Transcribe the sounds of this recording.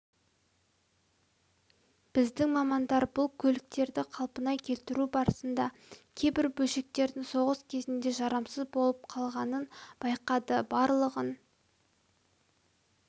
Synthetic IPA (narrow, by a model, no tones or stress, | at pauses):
b̥ɪzd̪ɪŋmɑmɑnd̪ɑɾbʊlˠkʲʰɵlɪk̚t̪e̞ɾd̪ɪqʰɑlˠpənɑjkʲʰe̞lt̪ɪɾubɑɾəsənd̪ɑ | kʲʰe̞jbɪɾbɵlʃe̞k̚t̪e̞ɾd̪ɪŋso̞ʁəskʲʰe̞zɪnd̪e̞ʒɑɾɑmsəzbo̞lˠəp̚qʰɑlˠʁɑnənb̥ɑjqɑd̪əbɑɾlˠəʁən